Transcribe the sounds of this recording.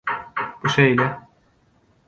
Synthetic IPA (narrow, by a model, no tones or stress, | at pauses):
b̥uʃejlʲɛ